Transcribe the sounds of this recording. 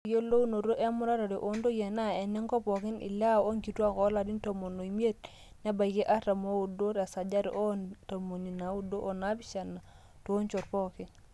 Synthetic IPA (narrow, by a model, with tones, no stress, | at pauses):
jo˦lo˦u˦no˨ɾo˦ʔe˦mu˦ɾa˦ɾa˨ɾi˨ʔo˦ndo˦je˨na˦ɛ˨nɛ˦ŋkɔ˦pɔ˨ki˦nḭ˨la˦o˦ŋɡi˨tu˦a˦ko˦la˨di˦nto˨mo˨no˨i˨m˦e˦t̚ | nɛ˦ba˨i˨ke˦ʔa˦ɾa˨mo˦u˨do˦ɾa˨sa˨d͡ʒa˦ɾ̰ʔo˦nta˨mo˨ni˨na˨u˦do˦ʔo˨na˨˦bi˦ʃa˨na˨ | to˨˦nt͡ʃo˨ɾpɔ˦ki˦